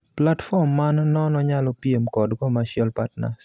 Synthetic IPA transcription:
platfɔmːanːɔnɔɲalɔpijemkɔdɡɔmaʃjɔlpatna̰s

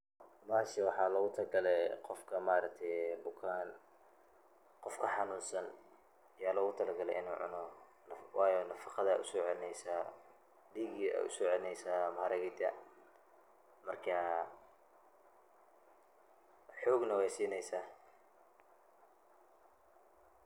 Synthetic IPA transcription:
maːʃɐwɑħɑːlɔɣʊt̪ʰɐlɐɡɐlɛqɔfkʰɐmaːɾɐk̚t̪ʰɛjbʊkʰaːn | qɔfkʰɐħɑnuːnsɐn | ɪjaːlɐɣʊt̪ʰɐlɐɡɐlɛ̰ʔɪnuːʕʊ̰nɔ | nwɑːjɔnɐfɑ̥qɑðɐʔʊ̰sɔːʕɛlɪnɛjsa | ɖiːɡiɛ̰ʊ̰sɔːʕɛlɪnɛjsaːmɐhɐɾɐɣɪd̪ɐ | mɐrkʰɐ | ħɔːɡnɐwɛjsiːnɛjsaː

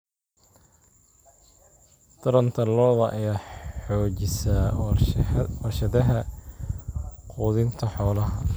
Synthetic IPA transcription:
t̪ɐɾɐnt̪ʰɐlɔːðɐʔɐjaːħɔːt͡ʃɪsɐ | ɐrʃɐðɐɦɐ | quːðɪnt̪ʰɐħɔːlɐɦɐ

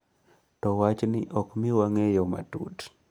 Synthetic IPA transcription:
tɔwat͡ʃnɪʔɔkmɪwaŋejɔma̰tṵt

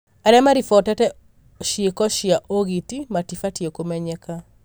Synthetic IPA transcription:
aɾɛmaɾifɔtɛtɛ | ʃiekɔʃjaʔoɣitimatifatiekomɛɲɛka

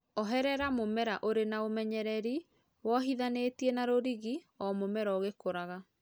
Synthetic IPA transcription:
ɔɦɛɾɛɾamomɛɾaʔoɾenaomɛɲɛɾɛɾi | wɔɦiðanetiɛnaɾoɾiɣi | ɔmomɛɾaoɣekoɾaɣa

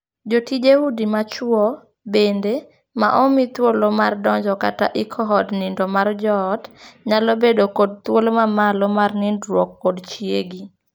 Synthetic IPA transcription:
d͡ʒotid͡ʒehudimat͡ʃwɔ | bende | ma̰ʔɔmit̪wolomardɔɲd͡ʒɔka̰taʔɪkʰɔɦɔdnɪndɔmard͡ʒɔːdɲalobedokod̚t̪wolomamalomarnɪndɾwɔkːodt͡ʃjeɡi

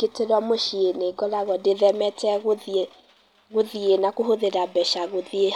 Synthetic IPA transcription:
keteɾwamoʃieneɡɔɾaɣɔdeðɛmɛtɛɣo | ɣoðienakoɦoðeɾabɛʃaɣoðie

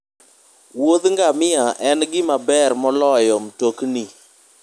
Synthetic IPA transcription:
wod̪ŋɡamɪaʔɛnɡɪmabɛrmɔlɔjɔmtokni

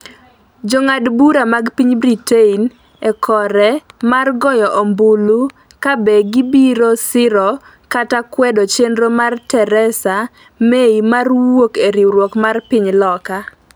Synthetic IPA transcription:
d͡ʒoŋadbuɾamaɡpiɲbɾitein | ɛkʰɔɾɛmarɡɔjɔʔɔmbʊlu | kabɛɡibiɾosɪɾɔ | katakwɛdɔt͡ʃendɾomartɛɾɛsa | meimarwwokeɾiwɾwɔkmarpɪɲlɔka

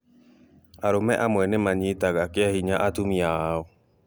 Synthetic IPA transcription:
aɾomɛʔamwɛnemaɲitaɣakeahiɲaʔatumiaaɔ

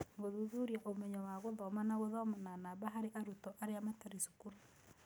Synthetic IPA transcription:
ŋɡoðuðuɾiaʔomɛɲɔwaɣoðɔmanaɣoðɔmananaβaɦaɾeʔaɾutɔʔaɾeamataɾisu̥kuɾa

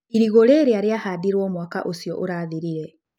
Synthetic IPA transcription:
iɾiɣoɾeːɾeaɾeahadiɾwɔmwaka̰ʔosiɔ̰ʔoɾaːðiɾiɾɛ

